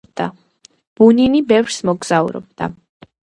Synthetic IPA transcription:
d̪a | b̥uninibɛvɾsmɔɡz̥aṵɾɔ̰b̚d̪̥a̰

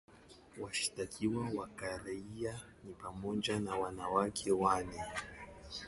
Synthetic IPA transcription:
waʃi̥takʰiwawakaɾaia | nipamɔd͡ʒanawanawakʰɛwanɛ

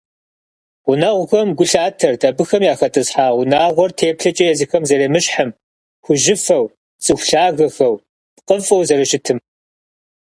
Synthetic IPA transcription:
ʁʷʊnɐʁʷʊxɐmɡʷʊɬaːtʰɐrtʰʼɐbɨxɐmjaːxɐtʼɨsħaːʁʷʊnaːʁʷɔrtʰeːpɬɐt͡ʃʼɐjɛzixɐmzɐɾeːmɨɕħəm | xʷʊʒɪfɐw | t͡sʼɨxʷɬaːɣɐxɐw | pqʼəfʼɐwzɐɾɨʃɪtʰɨm

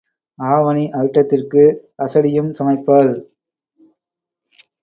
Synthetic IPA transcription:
aːʋɐniʔɐɻɯʈːɐt̪ːɪrkɯ | ʔɐsɐɽɪjɯmsɐmɐɪpːɐl

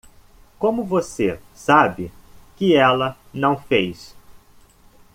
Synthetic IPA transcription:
kõmʊvosesabɪkɪɛlɐ | nɐ̃w̃fejs

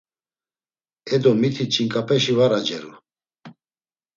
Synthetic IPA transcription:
ɛd̪ɔmit̪ʰit͡ʃʼiŋkʼapʰɛʃivaɾad͡ʒɛɾu

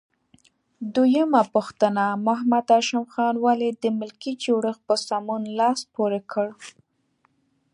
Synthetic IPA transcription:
d̪ujəmapuxt̪ənamʊɦamad̪aʃamxɑnwaled̪əmɪlkid͡ʒoɽəxpəsɑmunlɑspoɾekəɽ

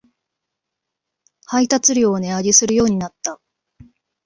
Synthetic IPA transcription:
hait̪at͡sɨɾʲoːne̞ad͡ʑisɨɾɯ̟jo̞ːɲ̟inat̪ːa

